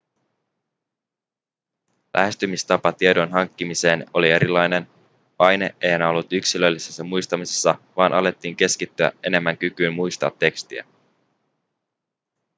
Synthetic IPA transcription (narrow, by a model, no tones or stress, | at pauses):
lʔæ̰ɦe̞st̪ymist̪ɑpɑt̪iedo̞nɦɑŋkːimise̞ːno̞lie̞ɾilːˑɑjne̞n | pɑjne̞ʔe̞jhænæo̞lːut̪yksilølːisesːɑmujst̪ɑmisesːɑʋɑːnʔɑle̞t̪ːiːŋk̟e̞skit̪ːyæ̰ʔe̞ne̞mːæŋkykyːmmujst̪ɑ̰ːt̪ːe̞kst̪iæ̰